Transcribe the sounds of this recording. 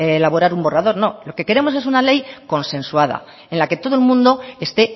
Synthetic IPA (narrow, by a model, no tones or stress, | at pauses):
laβo̞ɾaɾumbo̞raðo̞ɾno̞lo̞ke̞ke̞ɾe̞mo̞s̬e̞sunale̞jko̞nsẽ̞nswaða̰ | e̞nlake̞t̪o̞ð̞oelmũnd̪o̞e̞st̪e̞